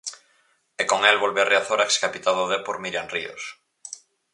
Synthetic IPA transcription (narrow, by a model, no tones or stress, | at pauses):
ekoŋɛlβolβeareaθoɾakskapit̪aðoðepoɾmiɾjanrio̰s